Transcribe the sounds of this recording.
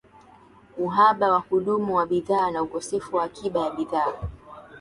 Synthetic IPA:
uɦaɓawahuɗumuwaɓiðaːnaukɔsɛfuwaːkiɓajaɓiðaː

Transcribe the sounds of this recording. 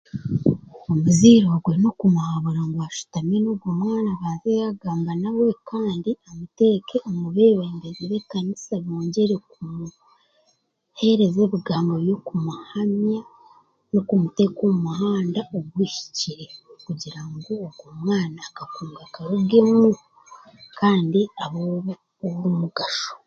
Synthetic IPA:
omuziːɾoɡwe̞no̞kumuhaβuɾaŋɡwaʃu̥tamenoɡɡomŋaːnaβaːnzejaɡaːmbanawe̞kʰaːndiamute̞ːkeomuβe̞ːβeːndeziβe̞kanisaβoːɲɟe̞ɾe̞kumu | he̞ɾe̞ze̞βiɡaːmbo̞jo̞kumuhamja | nokumute̞koumuɦaːndaʔoɡwiːʃi̥ciɾe̞kuɟiɾaŋɡo̞ːbɡomŋaːnaːkakuːŋɡakaɾuɡe̞mu | kʰaːndiaβo | owumuɡaʃo̥

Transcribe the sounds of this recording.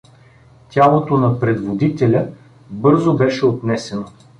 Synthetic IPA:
t̪ʲalˠot̪onɐpɾɛd̪vod̪it̪ɛlʲə | bɤɾzobɛʃɛot̪nɛsɛno

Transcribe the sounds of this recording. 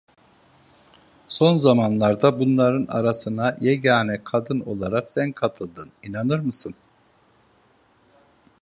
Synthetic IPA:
so̞nzamanlˠaɾd̪abunlˠaɾɯna̰ɾasɯnajɛɟaːnɛkʰad̪ɯno̞̰lˠaɾaksænkʰat̪ʰɯlˠd̪ɯninanɯɾmɯsɯn

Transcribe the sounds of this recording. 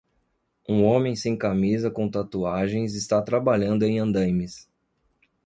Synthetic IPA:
ũõmẽj̃sẽj̃kamizɐkõt̪at̪uaʒẽj̃zɪst̪at̪ɾabaʎɐ̃nd̪ʊẽj̃ɐ̃nd̪ɐ̃jmɪs

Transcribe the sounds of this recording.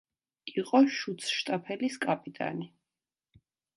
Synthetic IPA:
iqʼɔʃut̪sʰʃt̪ʼapʰɛliskʼapʼit̪ʼa̰ni

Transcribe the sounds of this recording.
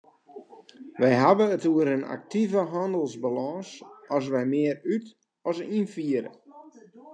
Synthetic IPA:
ʋɛjɦabəətuəɾəna̰k̚tivəɦɔndəl̩ˠzbalɔŋsɔs̬ʋɛjmɪəryt | ɔsinfiəɾə̰

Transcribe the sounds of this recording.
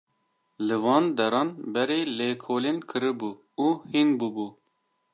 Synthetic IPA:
lɨvɑːnd̪ɛɾɑːnbɛɾeːleːkʰoːleːnkʰɨɾɨbuː | uhinbuːbuː

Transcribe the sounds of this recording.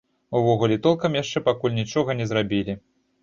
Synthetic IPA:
uvɔɣulʲɛt̪ɔlˠkɐmjaʂt͡ʂɛpakulʲnʲit͡ʂɔɣɐnʲɛzɾabʲilʲi

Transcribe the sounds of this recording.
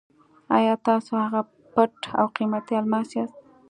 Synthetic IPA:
a̰jɑt̪ɑsohaɣa | pəʈa̰wqimat̪jɑlmɑsɑst̪̚

